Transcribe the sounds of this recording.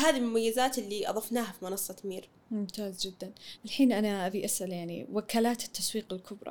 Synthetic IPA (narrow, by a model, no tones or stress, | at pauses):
haːðilmʊmajːɪzaːt̪ɪlːiʔɑ̰ðˤɑfnaːhafimɪnɑsˤːɑt̪miːɾ | mʊmt̪aːzd͡ʒɪd̪ːanalħiːnʔanaʔabiʔasʔaljaʕnḭwakaːlaːt̪ɪ̥t̪ːaswiːqɪlkʰʊbɾˤɑ̰